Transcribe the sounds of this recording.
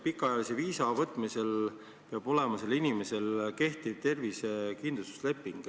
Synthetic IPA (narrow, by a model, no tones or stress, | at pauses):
pikːˑɑjɑlise̞viːsɑvɤt̪ːˑmise̞l | peɑb̥o̞le̞mɑselinime̞se̞lke̞ht̪iv̥̚t̪e̞rvisekind̪lust̪u̥sle̞pːˑiŋɡ̥